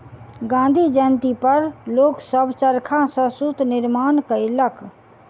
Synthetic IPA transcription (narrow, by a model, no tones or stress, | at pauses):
ɡãːn̆d̪ʱid͡ʒənt̪ipəɾloːksəbt͡ʃəɾkʰãsə̃sʊt̪nɪɾmaːnkəɪləkʰ